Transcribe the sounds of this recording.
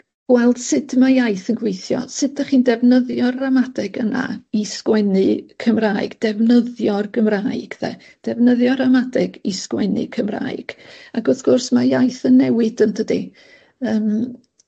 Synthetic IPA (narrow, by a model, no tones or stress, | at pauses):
ɡ̥wɛlˠd̥sɪdmajajθənɡwejθjɔ̰sɪdaχiːndɛvnəðjɔramadɛɡəna̰iskwɛnɨkʰəmraːɨɡ̥d̥ɛvnəðjɔrɡəmraːɨɡ̥ðɛ̰ | d̥ɛvnəðjɔɾamadɛɡiskwɛ̰nɨ̰kʰəmra̰ːɨɡ̥aɡɔθɡ̥ʊrsmajajθənːɛwɪd̥ənd̥ədi | əːm